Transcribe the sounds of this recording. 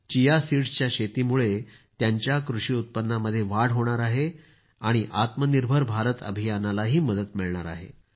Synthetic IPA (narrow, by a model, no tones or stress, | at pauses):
t͡ɕijasiɽt͡ɕjaɕet̪iːmuɭe | t̪jaɲt͡ɕjakɾuʂiːut̪̚pənːaməd̪ʱːjeʋaɽ̤ɦoɽ̃aɾaɦe | aɽ̃iʔat̪məniɾbʱəɾbʱaɾət̪ə̰bʱijanalaɦiːməd̪ət̪miɭɳa̰ɾa̰ɦḛ